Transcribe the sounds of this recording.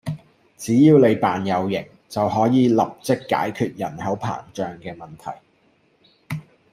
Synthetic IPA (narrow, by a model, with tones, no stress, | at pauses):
t͡siː˨˥jiː˧wle˨˧jpaː˨njɐ˨˧wjɪ˨˩ŋ | t͡sɐ˨wɦɔː˨˥jiː˨˧lɐ˨p̚t͡sɪ˥kːa̰ː˨˥jkʰyː˨˧t̚jɐ̰˨˩nhɐ˨˥wpʰa̰ː˨˩ŋt͡ʃœː˨ŋkɛː˧mɐ˨˩nt̪ʰɐ̰˨˩j